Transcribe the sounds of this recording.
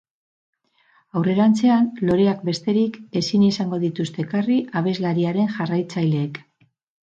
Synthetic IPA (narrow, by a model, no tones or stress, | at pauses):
awre̞ɾant͡se̞anlo̞ɾe̞ak̚be̞st̪e̞ɾike̞sinisaŋɡo̞ðit̪ust̪e̞kariʔaβ̞e̞zlaɾiaɾe̞nʝarajt͡sajle̞ːk